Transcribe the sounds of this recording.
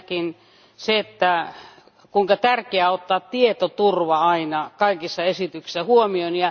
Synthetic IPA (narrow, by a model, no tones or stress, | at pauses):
kin | seet̪ːæ | kuiŋkɑt̪ærkeæot̪ːɑːt̪t̪iet̪ot̪urʋɑɑinɑkɑikisːɑesit̪yksi̥sæhuomionjɑ